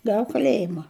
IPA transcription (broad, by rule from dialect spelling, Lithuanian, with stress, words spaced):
ˈɡɐw kɐˈlʲeːjɪmɐ